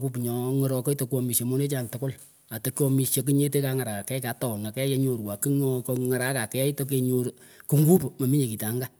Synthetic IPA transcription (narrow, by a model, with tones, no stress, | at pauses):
ku˦p̬ɲɔ˨ŋɔ˦ɾɔ˧kɔ˦jto˨kɔ˧mi˨ʃe˨mo˦ne˦t͡ʃa˨ntʊ˨ko˦l | a˨to˦kɔ˧mi˨ʃje˨k̬ɨ˦ɲe˦te˦ka˧ŋa˨ɾa˨ka˨kɛ˦ka˨˦tɔ˨ŋa˨kɛ˦je˦ɲo˨ɾwa˨ki˦ŋkŋa˨ɾa˦ka˨kɛ˨˦jto˦k̬e˨ɲo˨ɾ | kɨ˦ŋɡu˦pmo˨mi˦ɲe˨ki˨ta˨˦ŋɡa˦